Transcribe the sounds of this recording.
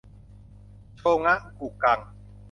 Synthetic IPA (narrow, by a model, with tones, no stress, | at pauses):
tʰoː˧ŋa˦˥ʔku˨˩ka˧˩ŋ